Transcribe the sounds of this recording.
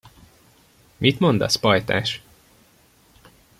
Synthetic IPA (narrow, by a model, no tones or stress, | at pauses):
mʔit̪mo̞nd̪ɒ̰spɒjt̪a̰ːʃ